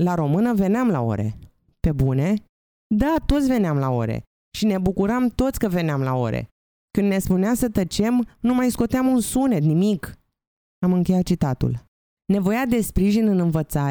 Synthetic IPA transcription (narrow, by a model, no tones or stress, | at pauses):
laɾo̞mɨnəve̞neamla̰o̞̰ɾe̞̰ | pe̞bune̞ | d̪at̪o̞t̪sʲve̞neamlao̞̰ɾḛ | ʃine̞bukuɾamt̪o̞t̪sʲkəve̞neamla̰o̞̰ɾḛ | kɨnne̞spuneasət̪ət͡ʃe̞mnumajsko̞t̪eamunsune̞t̪nimik | amɨŋkʲe̞jat̪̚t͡ʃit̪at̪ṵl | ne̞vo̞jad̪e̞spɾiʒinɨnɨnvət̪saɾe